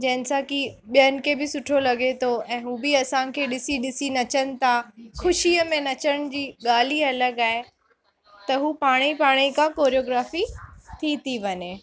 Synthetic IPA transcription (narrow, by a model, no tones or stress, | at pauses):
d͡ʑɐ̃ɦɪ̃nɪ̆sãkiɓijənɪ̆kʰebɪsʊʈʰolɐɡet̪ʰoɛ̃ːɦuːbɪɐsãkʰeːɗɪsiɗɪsinɐt͡ɕənɪ̆t̪ʰaxʊʃiəmẽnɐt͡ɕəɽ̃d͡ʑiːɠaːliɐləɡaːɦe | t̪ɐɦuːpaːɽ̃ipaːɽ̃ikʰãkoːɾijoːɡɾaːfit̪ʰit̪ʰiʋɐɲe